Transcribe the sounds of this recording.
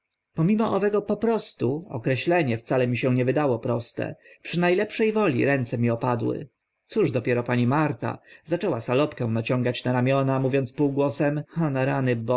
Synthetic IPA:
pɔmʲimɔʔɔvɛɡɔpɔpɾɔst̪uɔ̰kɾɛɕlɛɲɛft̪salɛmʲiɕɛw̃ɲɛvɘd̪awɔpɾɔst̪ɛ̰pʂɘnajlɛpʂɛjvɔlʲḭɾɛnt̪sɛmʲiɔpad̪wɘ̰ | t̪suʐd̪ɔpʲjɛɾɔpaɲimaɾt̪a̰z̥at͡ʂɛwasalɔpkɛw̃nat͡ɕɔ̃ŋɡat͡ɕnaɾamʲjɔnamuvʲjɔ̃nt̪spuwɡwɔsɛmhanaɾanɘbɔ

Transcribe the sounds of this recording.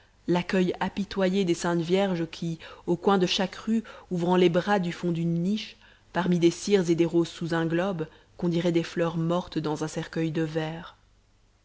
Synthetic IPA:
lakœjapit̪wajed̪esɛ̃t̪vjɛʁʒəkʲʰiokwɛ̃d̪əʃakʁyuvʁɑ̃lebʁad̪yfɔ̃d̪ynːiʃ | paʁmid̪esiʁzed̪eʁozsuzɛ̃ɡlɔb | kɔ̃d̪iʁɛd̪eflœʁmɔʁt̪d̪ɑ̃zɛ̃sɛʁkœjd̪əvɛːʁ

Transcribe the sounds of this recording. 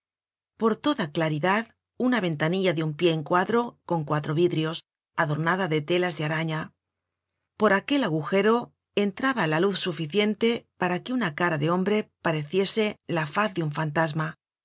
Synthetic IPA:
po̞ɾt̪o̞ðaklaɾiðað | unaβ̞e̞nt̪aniʎaðeumpje̞ːŋkwaðɾo̞ko̞ŋkwat̪ɾo̞βiðɾio̞s | aðo̞ɾnaðaðe̞t̪e̞lazðeaɾaɲa | po̞ɾake̞laɣuxe̞ɾo̞ | ent̪ɾaβalaluθsufiθje̞nt̪e̞paɾakeunakaɾaðe̞o̞mbɾe̞paɾe̞θje̞se̞lafaθðeuɱfant̪azma

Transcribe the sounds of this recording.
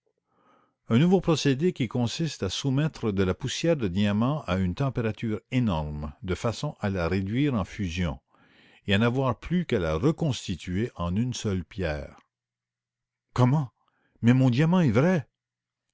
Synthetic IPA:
œ̃nuvopʁɔsed̪ekʲikɔ̃sist̪asumɛt̪ʁəd̪əlapusjɛːʁd̪əd̪iamɑ̃ʔaynt̪ɑ̃peʁat̪yːʁenɔʁmd̪əfasɔ̃ʔalaʁed̪ɥiːʁɑ̃fyzjɔ̰̃ | eanavwaʁplykala̰ʁəkɔ̃st̪it̪ɥeʔɑ̃nynsœlpjɛːʁʁ | kɔmɑ̃ | mɛmɔ̃d̪ijamɑ̃ɛvʁɛ

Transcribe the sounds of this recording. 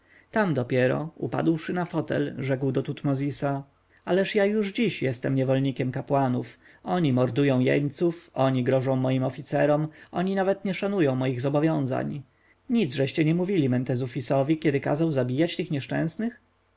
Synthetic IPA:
t̪amd̪ɔpʲjɛɾɔ̰ṵpa̰d̪wʂɘnafɔt̪ɛ̰lʐɛkwd̪ɔt̪ut̪mɔzʲisa | alɛʂjajuʐd͡ʑiɕjɛst̪ɛmɲɛvɔlɲikʲɛmkapwanuf | ɔɲimɔɾd̪ujɔ̃w̃jɛ̰ɲt̪sufɔɲiɡɾɔʐɔ̃w̃mɔjimɔfʲit̪sɛɾɔmʔɔɲinavɛt̪ɲɛʂanujɔ̃w̃mɔjiɣzɔbɔvʲjɔ̃w̃za̰ɲ | ɲid̪zʐɛɕt͡ɕɛɲɛmuvʲilʲimɛnt̪ɛzufʲisɔvʲikʲɛd̪ɘka̰zawzabʲijat͡ɕt̪ɘxɲɛʂt͡ʂɛ̰̃w̃snɘx

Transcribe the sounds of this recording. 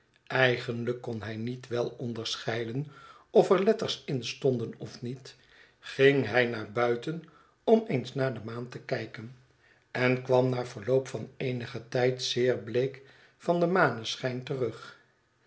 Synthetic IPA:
ɛjχənləkːɔnɦɛjnitʋɛlˠɔndəɹsχɛjdən | ɔfɛɹlɛtəɹsɪnstɔndənɔfnit | χɪŋɦɛjnaːɹbœɥtən | ɔmejnsnaːɹdəmaːntəkɛjkən | ɛnkʋɑmnaːɹv̥əɹlowpfɑnejnəχətɛjtsɪːɹblejk | fɑndəmaːnəsχɛjntərɵχ

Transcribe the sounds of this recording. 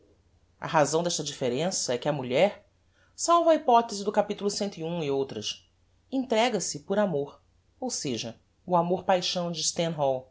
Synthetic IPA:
ɐ̰ɦazɐ̃w̃d̪ɛʃt̪ɐd͡ʒifeɾẽsɐɛkɪɐmuʎɛɾ | sawvɐipɔt̪ezɪd̪ʊkapit̪ulʊsẽnt̪ʊiũɪowt̪ɾɐs | ĩnt̪ɾɛɡɐsɪpoɾamoɾ | owseʒɐ | ʊamoɾpajʃɐ̃w̃d͡ʒɪst̪ẽnɦɔw

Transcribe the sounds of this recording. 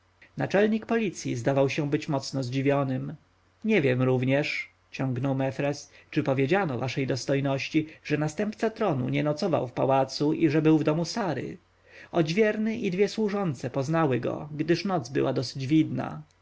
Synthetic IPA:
nat͡ʂɛlɲikpɔlʲit̪sʲjḭzd̪avawɕɛ̃bɘt͡ɕmɔt̪snɔzd͡ʑivʲjɔnɘm | ɲɛvʲjɛmɾuvɲɛʂ | t͡ɕɔŋɡnɔwmɛfɾɛst͡ʂɘpɔvʲjed͡ʑanɔvaʂɛjd̪ɔst̪ɔjnɔɕt͡ɕiʐ̥ɛnast̪ɛmpt̪sat̪ɾɔnṵɲɛnɔt̪sɔva̰wfpawat̪suʔiʐɛbɘwvd̪ɔmusaɾɘ̰ | ɔd͡ʑvʲjɛɾnɘʔid̪vʲjɛswuʐɔnt̪sɛpɔznawɘɡɔ̰ɡd̪ɘʂnɔd̪zbɘ̰wʔad̪ɔsɘ̥d͡ʑvʲid̪na̰

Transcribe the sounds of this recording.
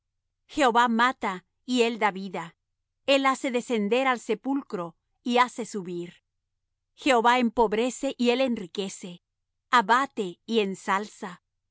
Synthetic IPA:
xe̞oβamat̪a | ie̞ld̪aβiða | e̞lase̞ðe̞se̞nd̪e̞ɾalse̞pulkɾo̞ | iase̞suβiɾ | xe̞oβaempo̞βɾe̞se̞ʔie̞le̞nrike̞se̞ | aβat̪e̞ie̞nsalsa

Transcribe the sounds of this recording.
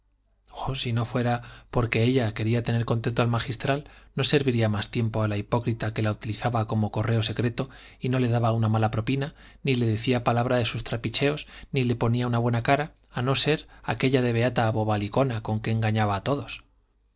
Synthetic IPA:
osino̞fwe̞ɾapo̞ɾke̞e̞ʎakeɾiat̪e̞ne̞ɾko̞nt̪e̞nt̪o̞almaxist̪ɾalno̞se̞ɾβiɾiamast̪je̞mpo̞alaipo̞kɾit̪ake̞laut̪iliθaβako̞mo̞ko̞re̞o̞se̞kɾe̞t̪o̞ | ino̞le̞ðaβaunamalapɾo̞pina | nile̞ðe̞θiapalaβ̞ɾaðe̞sust̪ɾapit͡ʃe̞o̞znile̞po̞niaunaβwe̞nakaɾaː | no̞se̞ɾake̞ʎaðe̞β̞e̞at̪aːβo̞βaliko̞nako̞ŋke̞ːŋɡaɲaβaːt̪o̞ðo̞s

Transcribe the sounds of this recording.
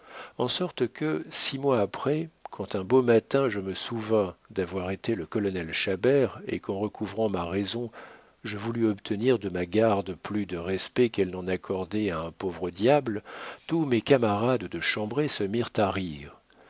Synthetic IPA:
ɑ̃sɔʁt̪kəsimwaːpχɛkʰɑ̃t̪ɛ̃bomat̪ɛ̃ʒəməsuvɛ̃d̪avwaʁet̪eləkɔlɔnɛlʃabɛʁḛkɑ̃ʁəkʰuvʁɑ̃maʁɛzɔ̃ | ʒəvulyɔpt̪ʰəniʁd̪əmaɡaʁd̪plyd̪əʁɛspɛkɛlnɑ̃nakʰɔʁd̪eaɛ̃povʁəd̪jablt̪umɛkamaʁad̪d̪əʃɑ̃bʁesəmiʁt̪aʁiːʁ

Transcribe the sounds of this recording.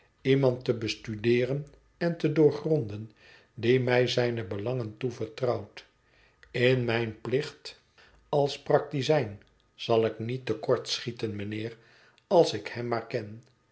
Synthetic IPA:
imɑntəbəstydɪːrən | ɛntədʊːɹχrɔndən | dimɛjzɛjnəbəlɑŋəntuvəɹtrɑwt | ɪnmɛjnplɪχt | ɑlˠsprɑk̚tizɛjn | z̥ɑlˠɪknitəkɔɹtsχitənmənɪːr | ɑlˠsɪkhɛmːaːɹkɛn

